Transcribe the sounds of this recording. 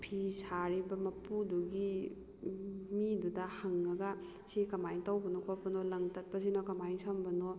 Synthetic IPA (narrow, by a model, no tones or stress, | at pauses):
pʰisaɾibɐmɐpuduɡi | midudɐhaŋːɐɡɐ | sikɐmajŋtawbɐnɔkʰopɐnolɐŋtɐt̚pɐzinokɐmajŋsʰambɐno